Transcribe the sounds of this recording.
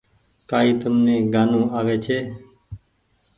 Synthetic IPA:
kaːiːt̪əmnẽːɡaːnũːaːʋeːt͡ʃʰeː

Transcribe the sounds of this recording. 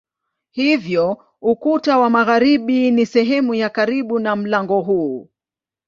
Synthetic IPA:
hivjɔ | ukutawamaɣaɾiɓinisɛɦɛmujakaɾiɓunam̩laŋɡɔɦuː

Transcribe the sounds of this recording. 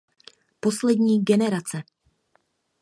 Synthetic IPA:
po̞slɛdɲiːɡɛnɛɾat͡sɛ

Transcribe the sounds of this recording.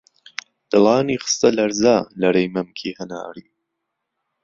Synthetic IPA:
d̥̪ɨlˠɑːniːχɨ̥st̪ɐlɐɾzaːlɐɾejmɐmkʰiːhɐna̰ːɾiː

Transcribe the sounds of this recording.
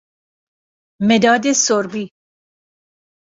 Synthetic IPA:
med̪ɒːd̪esoɾbiː

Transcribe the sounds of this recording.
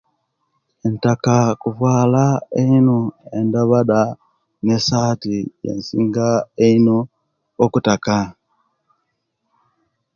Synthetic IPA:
e̞ntakakuvwaːlaeinoe̞ndaβada | ne̞saːtije̞̰nsiːŋɡaeinoː | kutaka

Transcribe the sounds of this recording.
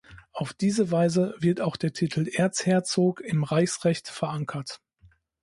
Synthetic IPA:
ʔaʊfd̥iːzəvaɪzəvɪɐtaʊxd̥eːɐtʰitʰl̩ʔeːɐt͡shɛːɐt͡soːkɪmʁaɪçsʁɛçtfɛɐʔaŋkʰɐt

